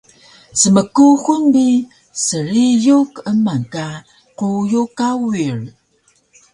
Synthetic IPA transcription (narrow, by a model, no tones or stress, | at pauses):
səməkuxunbi | səɾijukəmaŋka | qujukawir